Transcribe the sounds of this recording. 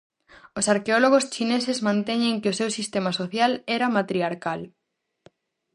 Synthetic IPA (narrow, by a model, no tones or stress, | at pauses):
ʊsaɾkeoloɣ̞ost͡ʃinesezmãnt̪ɛɲeŋkɪosewsist̪emasoθjalɛɾamat̪ɾiaɾkal